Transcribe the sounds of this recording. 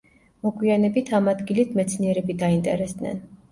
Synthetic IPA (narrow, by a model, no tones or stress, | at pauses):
mɔɡwianɛbit̪ʰamad̪ɡilit̪ʰmɛt̪sʰniɛɾɛbid̪aint̪ʼɛɾɛsd̪nɛ̰n